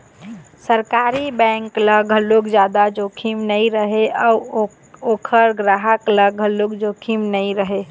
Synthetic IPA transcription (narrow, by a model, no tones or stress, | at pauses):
səɾkaɾibɛ̃ŋkləɡʱəlokd͡ʒad̪ad͡ʒokʰimnəiɾəɦeʔɔu | okʰəɾɡɾaɦəkləɡʱɦəlokd͡ʒokʰimnəiɾəɦe